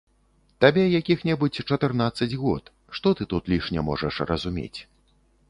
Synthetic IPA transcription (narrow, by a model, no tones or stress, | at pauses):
t̪abʲɛjakʲixnʲɛbɨt͡sʲt͡ʂɐt̪ɨrnat̪sːɐd͡zʲɣɔ̰t̪ | ʂt̪ɔt̪ɨt̪ut̪lʲiʂnʲɛmɔ̰ʐɐʂrɐ̰zumʲḛt͡sʲ